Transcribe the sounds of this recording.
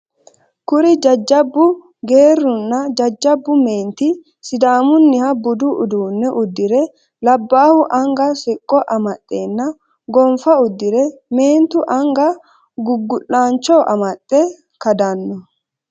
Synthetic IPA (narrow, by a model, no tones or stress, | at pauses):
kʊɾɪd͡ʒɐd͡ʒːɐbːʊ | ɡe̞ːrːʊnːɐd͡ʒɐd͡ʒːɐbːʊmeːnt̪ɪ | sɪd̪aːmʊnːɪhɐbʊd̪ʊʔʊd̪uːnːɛʔʊd̪ːɪɾɛ | lɐbːaːhʊʔɐŋɡɐsɪkʼːɔʔɐmɐt̪ʼːe̞ːnːɐ | ɡɔmfɐʊd̪ːɪɾɛme̞ːnt̪ʊʔɐŋɡɐ | ɡʊɡːʊlːaːnt͡ʃːɔʔɐmɐt̪ʼːɛ | kɐd̪ɐnːɔ